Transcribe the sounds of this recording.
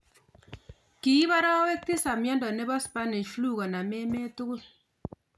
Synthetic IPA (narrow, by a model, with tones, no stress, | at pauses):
ki˨i˦ba˦ɾɔ˦we˦k̚ti˦sa˨mjɔ˦ndɔ˨ne˦bɔ˦spa˦ni˨ʃflu˦˨kɔ˨na˨me˦me˦tu˦ku˦l